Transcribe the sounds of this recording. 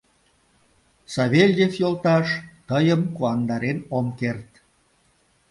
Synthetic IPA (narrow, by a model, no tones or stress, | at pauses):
sɑβelʲd̪efjolˠt̪ɑʃt̪əjəmkuɑnd̪ɑɾenomkert̪̚